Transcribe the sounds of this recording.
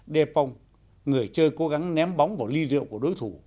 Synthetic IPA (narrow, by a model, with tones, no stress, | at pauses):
ɗɛ˧pɔ˧wŋ͡m | ŋɨ˨˩əjt͡ɕəː˧jko˨˦ɣa˨˦ŋnɛ˨˦mɓɔ˨˦wŋ͡mvaː˨˩wli˧lḭ˧˨əwŋ͡mku˧˩əɗo˨˦jt̪ʰu˧˩